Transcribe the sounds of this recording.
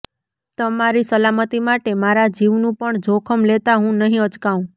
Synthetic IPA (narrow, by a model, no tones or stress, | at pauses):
t̪əmaɾisəlamət̪imaʈemaɾad͡ʒiʋnũpəɳd͡ʒʱokʰəmlet̪aɦũnəɦĩət͡ʃkaũ